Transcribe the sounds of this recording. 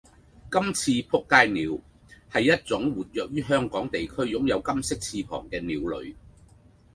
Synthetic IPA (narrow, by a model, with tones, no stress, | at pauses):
kɐ˥mt͡sʰiː˧pʰʊ˥kːaː˧jniː˨˧w | hɐ˨jːɐ˥t̚t͡sʊ˨˥ŋwuː˨t̚jœː˨k̚jyː˥ɦœː˥ŋkɔː˨˥ŋt̪e˨jkʰɵ˥ɥjʊ˨˥ŋjɐ˨˧wkɐ˥msɪ˥k̚t͡sʰiː˧pʰɔ̰ː˨˩ŋkɛː˧niː˨˧wlɵ̰˨˧ɥ